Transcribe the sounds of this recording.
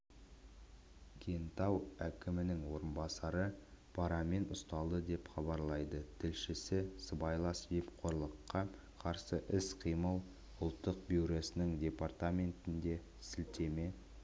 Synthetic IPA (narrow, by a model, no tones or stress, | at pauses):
kʲʰent̪ɑwækʲʰɪmɪnɪŋwo̞ɾənbɑsɑɾəpʰɑɾɑme̞nʊst̪ɑlˠd̪əd̪e̞pχɑbɑɾlˠɑjd̪ət̪ʰɪlʃɪsɪsəbɑjlˠɑsvipqʰo̞ɾlˠəqːɑ | qʰɑɾsəʔɪsqʰijməlˠ | ʊlˠt̪ːəq̚biwɾo̞sɪnɪŋd̪ʲe̞part̪amʲe̞nt̪ɪnd̪e̞ | sɪlt̪e̞me̞